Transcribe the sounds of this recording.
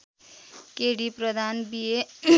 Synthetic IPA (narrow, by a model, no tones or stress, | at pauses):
keɽipɾʌd̪ʱanbie